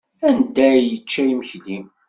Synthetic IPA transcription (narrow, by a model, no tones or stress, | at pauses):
ænd̪æjət͡ʃːæiməçlim